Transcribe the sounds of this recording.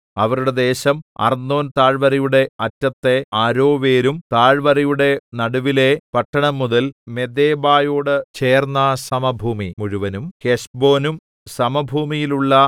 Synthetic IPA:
ɐʋɐɾuɽe̞d̪e̞ːɕɐmɐ̰rnːo̞ːnt̪aːɻʋɐɾɐjuɽe̞ɐtːɐt̪ːe̞aːɾo̞ːʋe̞ːɾumt̪aːɻʋɐɾɐjuɽe̞nɐɽuʋile̞pɐʈːɐɳɐmːuðɐlme̞d̪eːbaːjo̞ːɽɨt͡ɕe̞ːrnːɐsɐmɐbʱuːmimuɻuʋɐnumheʂbo̞ːnum | sɐmɐbʱuːmijiluɭːɐ

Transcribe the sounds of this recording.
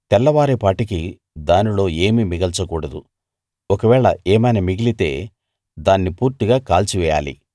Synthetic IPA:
t̪ɛlːɐʋaːɾepaːʈik̬i | d̪aːnilo̞ːe̞ːmimiɡɐlt͡ʃɐkuːɽɐd̪u | ɔkɐʋɛːɭɐeːmɐjnɐmiɡilit̪e̞ː | d̪aːnːipuːɾt̪iɡaːkaːlt͡ʃiʋɛːja̰ːlḭ

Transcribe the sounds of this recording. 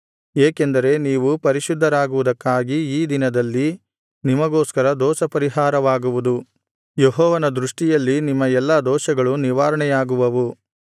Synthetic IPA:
eːkend̪ɐɾe̞niːʋupɐɾiʃud̪ʱːɐɾaːɡuʋud̪ɐkːaːɡiiːd̪inɐd̪ɐlːi | nimɐɡoːskɐɾɐd̪ɔːsɐpɐɾiɦaːɾɐʋaːɡuʋud̪u | jeɦɔːʋɐnɐd̪ɾuʂʈijɐlːinimːɐɛlːɐd̪ɔːʃɐɡɐɭuniʋaːɾɐɳɛjaːɡuʋɐʋu

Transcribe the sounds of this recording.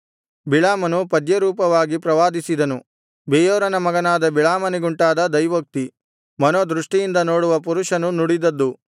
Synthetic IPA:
biɭaːmɐnupɐd̪jɐɾuːpɐʋaːɡipɾɐʋaːd̪isid̪ɐnu | beːjoːɾɐnɐmɐɡɐnaːd̪ɐbiɭaːmɐniɡuɳʈaːd̪ɐd̪ɐjʋɐk̚t̪i | mɐnoːd̪ɾuʂʈijind̪ɐnoːɽuʋɐp̬uɾuʃɐnunuɽid̪ɐd̪ːu

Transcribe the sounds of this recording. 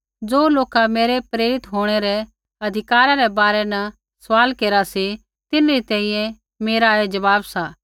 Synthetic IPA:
d͡zoːloːkameːɾɛpɾeːɾɪt̪ɦoːɽ̃eɾɛ | ɐd̪ʱɪkaːɾaɾɛbaːɾɛnɐ | sʋaːlkeːɾasi | t̪ɪnɾit̪ɛ̃ːĩjɛ̃ | meːɾaed͡ʒɐʋaːbsa

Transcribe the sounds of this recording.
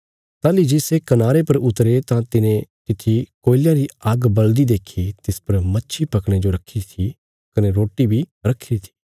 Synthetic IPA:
t̪aːlid͡ʒɪsekɐnaːɾepɐɾʊt̪ɾet̪ãt̪ɪnẽk̪ɪt̪ʰikoːɪljãɾiɐɡbɐld̪id̪eːkʰit̪ɪspɐɾmɐtːʃʰipɐkɽ̃ed͡ʒoɾɐkʰit̪ʰi | kɐneɾoːʈːibʱiɾɐkʰːiɾit̪ʰi̥ː

